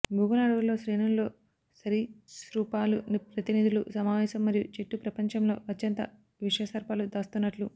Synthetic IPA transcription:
bʱuːɡɐlaːɽuɡulo̞ːsɾeːnunlo̞ː | sɐɾisɾuːpaːlunipɾɐt̪inid̪ulusɐmaːʋɛːsɐmːɐɾijut͡ʃeʈːupɾɐpɐɲt͡ʃɐmlo̞̰ːɐt̪jɐnt̪ɐ̰ | ʋiʂɐjɐsɐɾpaːlud̪aːst̪unːɐʈlu

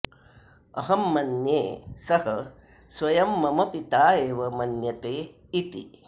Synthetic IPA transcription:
ɐ̰ɦɐmːɐnjeːsɐhɐ | sʋɐjɐmːɐmɐpit̪aːeːʋɐmɐnjɐt̪eː | it̪ḭ

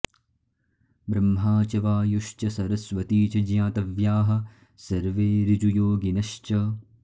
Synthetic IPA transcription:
bɾɐmɦaːt͡ʃɐʋaːjuʃt͡ʃɐsɐɾɐsʋɐt̪iːt͡ʃɐd͡ʒjãːt̪ɐʋjaːɦɐ̆ | sɐɾʋeːɾid͡ʒujoːɡinɐʃt͡ʃɐ

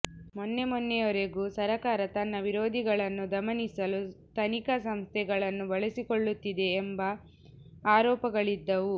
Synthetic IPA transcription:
mɔnːemɔnːɛjoɾeɡusɐɾɐkaːɾɐt̪ɐnːɐʋiɾoːd̪ʱiɡɐɭɐnːud̪ɐmɐnisɐlut̪ɐnikɐsɐmst̪ʰɛɡɐɭɐnːubɐɭesikoɭːut̪ːid̪e̞ːmbɐ | aːɾɔːpɐɡɐɭid̪ːɐʋu

